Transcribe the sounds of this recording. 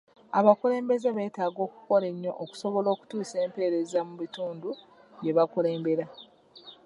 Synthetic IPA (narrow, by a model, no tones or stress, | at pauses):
aβakule̞ːmbe̞zeβe̞ːtaːɡo̞ːku̥ko̞ɾe̞ɲːo̰ʔoku̥so̞βo̞lo̞ːku̥tuːse̞ːmpe̞ːɾe̞zamuβituːndu | je̞βakule̞ːmbe̞ɾa